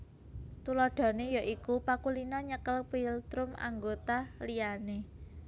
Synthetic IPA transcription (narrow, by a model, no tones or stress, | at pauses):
t̪ulɔɖ̪̥ɔ̤nejaʔikupakulinɔɲəkəlpilt̪ɾʊma̰ŋɡot̪alijane